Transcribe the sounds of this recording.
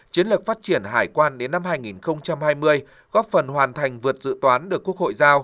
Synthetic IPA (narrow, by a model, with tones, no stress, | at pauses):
t͡ɕi˨˦ənlɨ˨˩k̚faː˦˥t̚t͡ɕi˧˩ənɦaː˧˩jkwaː˧nɗe˨˦nːa˧mhaː˧jŋi˨˩nxə˧wŋ͡mt͡ɕa˧mhaː˧jmɨ˧əj | ɣɔ˦˥p̚fə˨˩nhwaː˨˩nt̪ʰa˨˩jŋ̟vɨ˨˩ət̚zɨ̰˧˨t̪waː˨˦nɗɨ˨˩əkːu˦˥əkho̰˧˨jzaː˧w